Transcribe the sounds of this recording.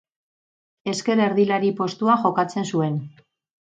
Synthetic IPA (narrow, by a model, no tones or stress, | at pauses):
e̞ske̞ɾe̞ɾðilaɾipo̞st̪uaŋxo̞kat͡se̞nsue̞n